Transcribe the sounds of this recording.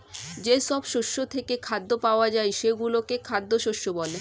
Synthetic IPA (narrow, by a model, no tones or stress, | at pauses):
d͡ʑeʃɔbʃoʃːot̪ʰekekʰad̪ːopaoad͡ʑaeʃeɡulokekʰad̪ːoʃoʃːobɔle